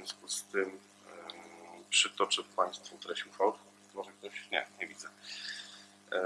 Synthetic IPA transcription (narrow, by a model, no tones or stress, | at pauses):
vjɔ̃skust̪ɘm | pʂɨt̪ɔt͡ʂɛfpaj̃st̪fint̪ɛɾɛɕixfɔwt̪ | mɔʐɛkt̪ɔɕɲɛ̰ɲɛvʲid̪zɛ